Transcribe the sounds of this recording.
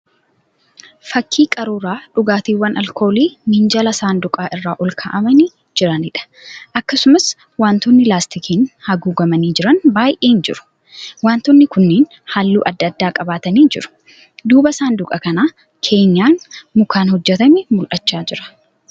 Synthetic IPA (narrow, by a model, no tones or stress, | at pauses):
fɐkːiːkʼɐɾuːɾaːᶑʊɡaːt̪iːwːɐnʔɐlko̞ːliːmɪnd͡ʒɐlɐsaːnd̪ʊkʼaːʔɪrːaːʔɔlkʰa̰ʔɐmɐni | d͡ʒɪɾɐnɪᶑɐ̥ | ʔɐkːɐsʊmɐs | waːnt̪ɔnːɪlaːst̪ɪkʰiːnhɐɡuːɡɐmɐniːd͡ʒɪɾɐnbaːjʔeːnd͡ʒɪ̰ɾʊ̥ | waːnt̪ɔnːɪkʊnːeːn | halːṵːʔɐd̪ːɐd̪ːaːkʼɐbaːt̪ɐniːd͡ʒɪ̰ɾʊ̥ | d̪uːbɐsaːnd̪ʊkʼɐkɐnaː | kʰe̞ːɲːaːnmʊkaːnhɔd͡ʒːɛt̪ɐmɛmʊlʔɐt͡ʃːaːd͡ʒɪɾɐ̥